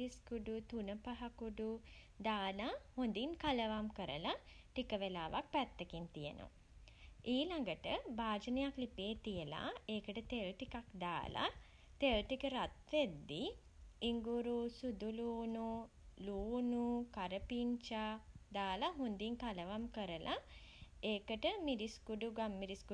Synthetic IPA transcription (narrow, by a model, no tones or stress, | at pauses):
iskuɖut̪unəpaɦakuɖu | d̪aːnahond̪iŋkaləʋamkəɾə̰la | ʈikəʋelaːʋak̚pæt̪ːəkint̪ijə̰no̰ | ʔiːlaŋɡəʈəbaːd͡ʒənejaklipeːt̪ijəla̰ːeːkəʈət̪elʈikakd̪a̰ːla̰ | t̪elʈikəɾat̪ʋed̪ːiː | ŋɡuɾusud̪uluːnuluːnukaɾəpiɲt͡ʃad̪aːlaɦund̪iŋkaləʋamkəɾəlʔa | eːkəʈəmiɾiskuɖuɡamːiɾisku